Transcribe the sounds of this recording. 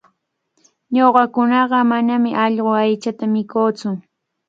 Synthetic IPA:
ɲoɢɑkʊnɑɢɑmanamɪʔɑʎɢoajt͡ʃat̪amɪkoːt͡sʊ

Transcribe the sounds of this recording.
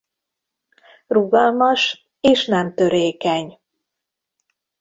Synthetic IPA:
ruɡɒlmɒʃ | eːʃnɛmt̪ø̞ɾeːkɛɲ

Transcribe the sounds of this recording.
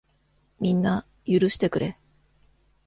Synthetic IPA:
mʲĩnːa | jɯɾɯ̟ɕi̥t̪e̞kɯ̟ɾe̞

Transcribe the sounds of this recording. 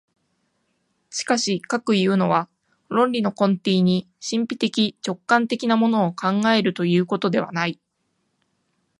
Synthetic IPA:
ɕi̥kaɕikakɯ̟jɯ̟ːno̞βa | ɾõ̞nɾʲino̞kõ̞nt̪eːɲ̟i | ɕĩmpʲit̪e̞kʲit͡ɕo̞kːãnt̪e̞kʲinamo̞no̞ːkʰãŋɡae̞ɾɯ̟t̪o̞jɯ̟ːko̞t̪o̞d̪e̞βa̰nai

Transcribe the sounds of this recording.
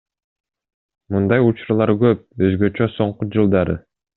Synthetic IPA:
mund̪ɑjut͡ʃɾulˠɑɾkøp̚øzɡøt͡ʃøso̞ɴqud͡ʒɯlˠd̪ɑɾɯ̰

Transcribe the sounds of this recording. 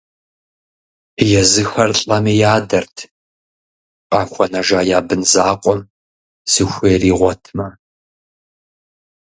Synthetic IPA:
jɛzɨxɐrɬʼɐmijaːdɐrtʰ | qʼaːxʷɔnɐʒaːjaːbɨnzaːqʷʼɔm | sɨxʷeːriːʁʷɔtʰmɐ

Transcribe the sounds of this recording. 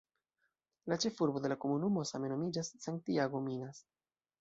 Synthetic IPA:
lat͡ʃe̞fuɾbo̞d̪e̞lako̞munumo̞same̞no̞mid͡ʒasːaŋk̚tiaɡo̞minas

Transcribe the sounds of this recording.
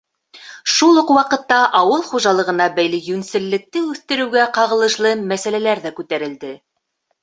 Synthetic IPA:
ʃulˠuqwɑqɤ̆t̪ːɑʔɑwɤlˠχuʒɑlˠɤ̆ʁɤ̆nɑbæjlɘjʉnsɘ̆lːɘ̆k̚t̪ɘʉθt̪ɘ̆ɾɘ̆wɡæqɑʁɤ̆lˠɤ̆ʃlˠɤmæsælælæɾðækʉt̪æɾɘ̆ld̪ɘ

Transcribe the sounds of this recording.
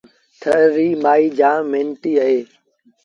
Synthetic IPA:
t̪ʰəɾiːmaːiːd͡ʒãːmẽːnʈiːəɦeː

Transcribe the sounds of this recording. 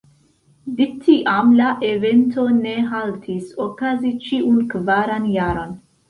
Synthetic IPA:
dik̚tʰiʔamlaʔeve̞ntone̞ɦaltʰisokazit͡ʃiunkvaɾanjaɾo̞n

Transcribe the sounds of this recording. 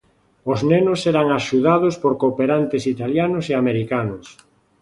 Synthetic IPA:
oznenʊsɛɾaŋaʃuðað̞ʊspoɾkopeɾant̪esit̪aljanʊseameɾikanʊs

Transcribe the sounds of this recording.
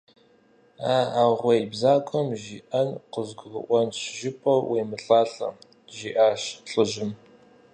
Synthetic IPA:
aːaːʁʷɐibzaːkʷʼɔmʒiːʔɐnqəzɡʷʊɡʊ̰ʔʷɔnɕʰʒɪpʼɐwweːmɨɬʼaːɬʼɐ̰m | ʒiːʔaːʃɬʼɨʒɪm

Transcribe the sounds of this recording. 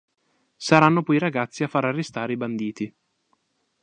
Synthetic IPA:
saɾanːopɔiɾaɡat̪sːiafːaɾarːest̪aːɾeiband̪iːt̪i

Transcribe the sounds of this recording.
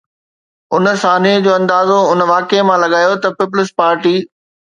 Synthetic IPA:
ʊnəsaːnid͡ʑoːɐ̃nd̪aːzoʊnəʋaːkemãlɐɡaːjot̪ɐpɪp̬ʊlɪspaːɾʈiː

